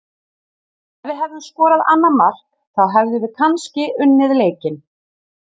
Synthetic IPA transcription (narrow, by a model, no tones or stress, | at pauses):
vɪɦɛvðʏmskɔːɾaða̰nːamar̥k | θaðɦɛvðʏvɪkʰanscɪʏnːɪðleːjcɪn